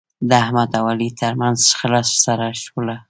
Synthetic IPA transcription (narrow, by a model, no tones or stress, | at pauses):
d̪əahmad̪awalit̪ʰəɾmanzʃxəlɑssaɾaʃwəla